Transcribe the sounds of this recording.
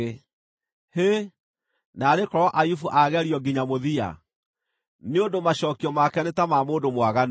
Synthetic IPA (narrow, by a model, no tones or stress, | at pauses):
he | naːɾekɔɾɔʔajufuʔaɣɛɾiɔɡiɲamoðia̰ | neondomaɕɔːkiɔmakɛanetamamoːndomwaɣan